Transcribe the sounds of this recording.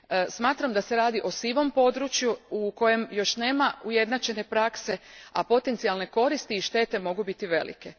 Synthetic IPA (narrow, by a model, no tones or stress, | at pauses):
smaːt̪ɾamd̪ase̞ɾaːd̪iʔo̞siʋo̞mpo̞d̪ɾut͡ʃjuuko̞je̞mjo̞ʃneːmauje̞d̪nat͡ʃe̞ne̞pɾakse̞a̰po̞t̪ent̪sialne̞ko̞ɾist̪iːʃt̪e̞ːt̪e̞mo̞ɡubit̪iʋe̞lḭke̞